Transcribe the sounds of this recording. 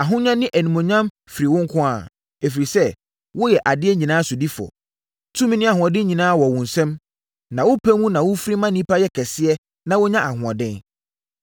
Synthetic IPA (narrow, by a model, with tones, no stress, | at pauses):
a˨ɦʊ̃˦ɲã˦nɪ̃˦ʔæ˨nĩ˨mõ˨ɲã˦m | fi˨ɾi˨wʊ̃˦ŋ˦kʰʊ̃˦a̰˦˨ | e˨fi˨ɾi˨sɛ˦ | wʊ˦jɛ˨ʔa˨dɪ˦ɛ˦ɲĩ˨nãː˦sʊ˨di˦fɔ̰˨ | tʰũ˦mĩ˦nɪ̃˦a˨ɦʊ̃˨ɔ̃˨dɪ̃˦ɲĩ˨nãː˦wɔ˨wʊ̃˨n̩˨sɛ̃˦m | nã˨wʊ˦pʰæ˦mũ˦nã˨wʊ˦fɾi˦mã˦nĩ˦pʰa˦jɛ˦kʰɛ˨sɪ˦ɛ˦ | nã˨wʊ˦ɲã˦ʔa˨ɦʊ̃˨ɔ̰˨dɪ̃˦n